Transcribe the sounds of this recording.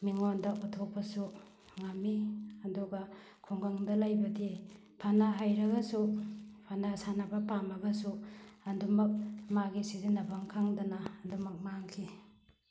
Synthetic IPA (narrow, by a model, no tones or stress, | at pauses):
miŋondɐʔutʰok̚pɐsu | ŋamːiɐduɡɐ | kʰuŋɡaŋdɐlajbɐdi | pʰanaɦajɾɐɡɐsupʰanasanabɐpamɐɡɐsuɐndumɐk̚maɡisidinɐbʱaŋkʰaŋdɐnaːndumɐk̚maŋkʰi